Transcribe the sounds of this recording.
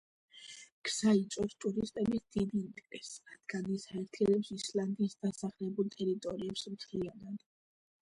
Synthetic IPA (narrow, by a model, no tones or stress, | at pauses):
ɡ̥z̥ait̪sʼɔst̪ʼuɾist̪ʼɛbisd̪̥id̪int̪ʼɾɛsɾad̪̥ɡ̥anisaɛɾt̪ʰiɛnɛpsisland̪iːsd̪asaχlɛbulˠt̪ʼɛɾit̪ʼɔɾiɛpsmt̪ʰlianad̪